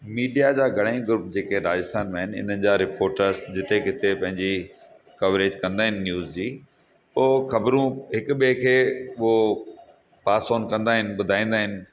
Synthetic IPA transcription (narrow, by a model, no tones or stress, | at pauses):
miːɖijad͡ʑaːɡʱɐɽ̤̃ẽĩɡʊɾʊp̚d͡ʑeːkeɾaːd͡ʑɪst̪ʰaːnmẽːɦɪnɪ̰n̤ənɪ̆d͡ʑaːɾɪpoːɾʈəɾzd͡ʑɪt̪ekɪt̪epɐ̃ɦɪ̃ɲd͡ʑi | kɐʋɾeːd͡ʑkɐ̃nd̪aːɦɪnɪ̆ːjuːzd͡ʑiː | oxɐbɾũɦɪkʊɓekʰeːʊɦo | paːsoːnkɐ̃nd̪aːɦɪnɪ̆ɓʊd̪ʱaːĩːnd̪aːɦɪnɪ̆